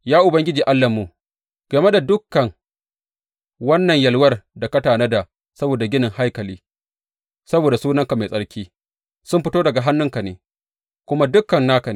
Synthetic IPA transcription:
jaː˦ʔʊ˨bɐ˦ŋɡʲɪ˦d͡ʒiː˨ʔa˦lːɐ˨mːu˨ | ɡ̥ɐ˨me˦da˨dʊ˦kːɐ˨ŋ | wɐ˦nːɐ˨ɲjɐ˨lwɐ˦rda˨kɐ˦taː˨nɐ˦da˨ | sɐ˦boː˨da˨ɡʲɪ˦nɪ˨ŋha˦jkɐ˨liː˦ | sɐ˦boː˨da˨suː˦nɐ˦ŋka˨ma˨sʼɐ˦ɽkʲiː˦ | sʊ˦mɸɪ˦toː˦dɐ˨ɡa˨ɦa˦nːʊ˦ŋka˨nḛː˨ | kʷʊ˦ma˦dʊ˦kːɐ˨nːaː˦kɐ˨n˨

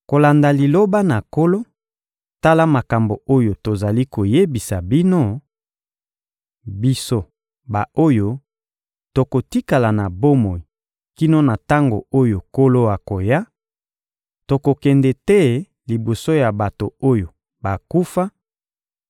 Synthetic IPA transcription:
ko˨la˨nda˨li˨lo˦ba˦na˨ko˦lo˦ | ta˦la˦ma˨ka˨mbo˨o˦jo˨to˨za˨li˦ko˨je˦bi˨sa˨bi˦no˦ | bi˦so˦ | ba˨o˦jo˦ | to˨ko˨ti˦ka˨la˨na˨bo˦mo˨i˨ | ki˦no˦na˨ta˦ŋɡo̰˨o˦jo˨ko˦lo˦a˨ko˨ja˦ | to˨ko˨kɛ˨ndɛ˨tɛ˦ | li˨bo˨so˦ja˨ba˨to˨o˦jo˨ | ba˨ku˦fa˦

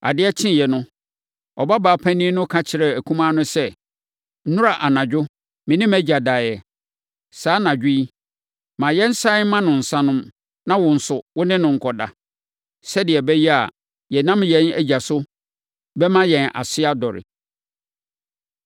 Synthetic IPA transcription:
a̰˨dɪ˦ɛ˦t͡ɕʰɪ̃˦˨jɛ˨nʊ̃˦ | ɔ˨ba˦baː˨˦pʰæ̃˦nĩ˦nʊ̃˦kʰa˦t͡ɕʰɪ˨ɾɛ˨æ˨kʰũ˦mã˦nʊ̃˦sɛ˦ | n̩˦ʊ̃˦ɾa˨ʔa˨nã˨d͡ʑᶣʊ˦ | mɪ̃˨nɪ̃˦mæ˦d͡ʑa˨daː˨jɛ˨ | saː˦nã˨d͡ʑᶣi˦i˦ | mã˨jɛ˦n̩˦sã˦mã˦nʊ̃˨n̩˨sã˦nʊ̃˦m | nã˦wʊ̃˨n̩˨sʊ˨wʊ˦nɪ̃˦nʊ̃˨ŋ̩˨kʰɔ˨da̰˨ | sɛ˦dɪ˨ɛ˨bɛ˦jɛ˦a˨ | jɛ˨nã˦mjɛ̃˦næ̰˦d͡ʑa˨sʊ˦ | bɛ˦mã˦jɛ̃˨nʔa̰˨sɪ˦a˦dɔ˨ɾɪ̰˨

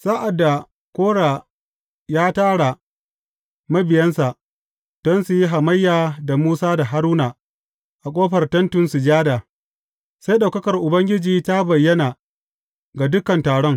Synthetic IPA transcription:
saː˦ʔa˨dːa˨ | kʷoː˦ɽa˨ | jaː˦taː˦ɽa˨ | mɐ˦bɪ˨jɐ˦nsa˨ʔ | d̥ɔ˦nsu˨ji˦ɦa˨mɐ˦jːaː˨da˨muː˦saː˦da˨ɦa˦ɾuː˦na˨ | ʔa˨kʷʼoː˦ɸɐ˨rtɐ˦ntʊ˨nsu˨d͡ʒaː˦daː˨ | sa˦jɗa˨wkɐ˦kɐ˨rʔʊ˨bɐ˦ŋɡʲɪ˦d͡ʒiː˨ta˦bɐ˨jːɐ˦naː˨ | ɡa˨dʊ˦kɐ˨ntaː˨ɽɔ˦ŋ

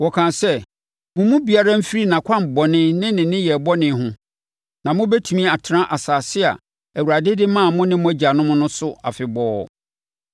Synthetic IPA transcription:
wɔ˨kʰã˨nsɛ˦ | mʊ̃˨mũ˦bi˨a˦ɾa˦m̩˦fi˦ɾi˦nã˨kʷʰã˦m̩˨bɔ˨nɪ̃˦nɪ̃˦nɪ̃˨nɪ̃˦jɛ˨bɔ˦nɪ̃˨˦ɦʊ̃˦ | nã˨mʊ̃˦bɛ˦tʰu˨mĩ˦˨a˨tʰɪ˨ã˦ʔa˨saː˨sɪ˦a̰˨ | æ˨wu˨ɾa˨dɪ˦dɪ˦mã˦˨mʊ̃˦nɪ̃˦mʊ̃˦æ˦d͡ʑa˨nʊ̃˦mʊ̃˦nʊ̃˦sʊ˦a̰˨fɪ˨bɔː˦˨

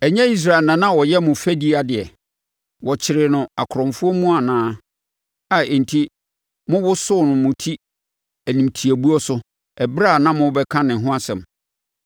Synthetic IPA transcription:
ɛ˨ɲɛ̃˦i˦s̬ɾa˨ɛ˨lnã˨nã˦˨wɔ˨jɛ˦mʊ̃˨fæ˦di˦a˨dɪ˨ɛ˨ | wɔ˨t͡ɕʰɪ˨ɾɪ˨nʊ̃˨a˨kʰʊ˨ɾɔ̃˨mfʊ˦ɔ˦mũ˦a˨nãː˨˦ | a˨ɛ˨n̩˨tʰi˦ | mʊ̃˦wʊ˦sʊ˦˨nʊ̃˨mʊ̃˨tʰi˦ | æ˨nĩ˨mtʰi˨æ˨bu˦ɔ˦sʊ˦ | ɛ˨bɾa˦˨nã˦mʊ̃˦bɛ˦kʰã˦nɪ̃˨ɦʊ̃˦a˦sɛ̰̃˨m

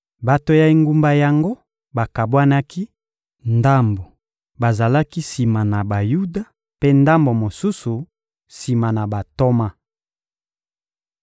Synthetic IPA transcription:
ba˨to˦ja˨i˦ŋɡu˦mba˦ja˨ŋɡo˦ | ba˨ka˨bwa˦na˦ki˦ | nda˦mbo˨ | ba˨za˨la˦ki˦si˨ma˨na˨ba˨ju˦da˨ | pe˦nda˦mbo˨mo˨su˦su˨ | si˨ma˨na˨ba˨to˦ma˦

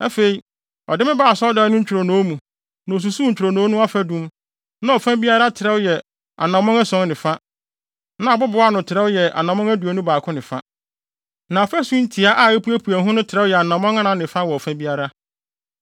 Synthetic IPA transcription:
ɛ˦fe˨i˨ | ɔ̰˨dɪ˦mɪ̃˦baː˨sɔ˦da˨˦nʊ̃˦ɲ̩˦t͡ɕᶣɪ˨ɾo˨nõː˨˦mũ˨ | nã˨s̬u˨su˦ɲ̩˨t͡ɕᶣɾo˨nõː˨˦nũ˦a˦fɛ˦dũ˦m | nã˦ɔ˨fã˦bi˦a˦ɾa˦tʰɪ˨ɾɛ˦wjɛ˨ | a̰˨nã˨mɔ̃˦ŋa˦sɔ̃˦ŋ˦nɪ̃˨fa˦ | nã˦˨bʊ˦bʊ˨˦a˦nʊ̃˨tʰɪ˨ɾɛ˦wjɛ˨ʔa̰˨nã˨mɔ̃˦ŋ˦æ˦du˨o˨˦nʊ̃˦baː˨kʰʊ̃˦nɪ̃˨fa̰˦ | nã˨ɔ˨fɛ˦sũ˦n̩˦tʰi˨a˦ʔa˦˨e˦pu˦æ˦pʰu˨æ˨ɦʊ̃˦nʊ̃˦tʰɪ˨ɾɛ˦wjɛ˨a˨nã˨mɔ̃˦ŋa˦nã˨nɪ̃˨fã˦wɔ˨ɔ˨fã˦bi˦a˦ɾa˦

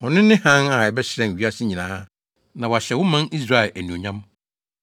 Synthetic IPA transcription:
ɔ˨nɪ̃˦nɪ̃˦hã˦na˨ɛ˨bɛ˦ɕɪ˦ɾɛ̃˨n˨ɥi˨˦a˦sɪ˦ɲĩ˨nãː˦ | nã˨wa˨ɕɛ˨wʊ̃˦mã˦ni˦sɾa˦ɛ˨lʔæ˨nũ˨ɲã˦m

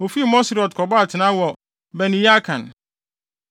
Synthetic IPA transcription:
o˨fi˦˨mɔ̃˦sɾɔ˨tkʰɔ˨ba˦a˨tʰɪ˨nã˦wɔ˨ | bɛ˨nĩ˨˦ja˦kʰã̰˨n

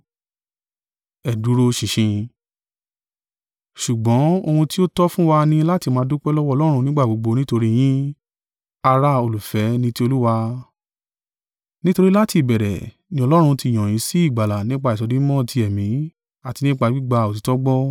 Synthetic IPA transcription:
ɛ˨du˨˦ɾo˧ʃĩ˨ʃĩ˧ | ʃu˨ɡ͡bɔ̃˨˦o˧hũ˧ti˦o˦tɔ˦fũ˦wa˧nĩ˧la˦ti˧mãː˨˧˦du˦k͡pɛ˦lɔ˦wɔ˦˧lɔ˦ɾ̃ũ˧nĩ˦ɡ͡ba˦˨ɡ͡bo˨˧ɡ͡bo˧nĩ˦to˧ɾi˦j̃ĩ˦ | a˧ɾa˧o˧lu˨fɛ˨˦nĩ˧ti˦o˧lu˦wa˧ | nĩ˦to˧ɾi˦la˦ti˧˨bɛ˨ɾɛ̰˨ | nĩ˧˦ɔ˧lɔ˦ɾ̃ũ˧ti˧˨j̃ɔ̃˨j̃ĩ˨˦si˦i˦˨ɡ͡ba˨la˨nĩ˦k͡pa˧i˨tɔ˨˧dĩ˨˦mɔ̃˦˨ti˧˦ɛ˨mĩ˨˦ | a˦˨ti˨˧nĩ˦k͡pa˧ɡ͡bi˦ɡ͡ba˧o˨ti˨˦tɔ˦ɡ͡bɔ˦

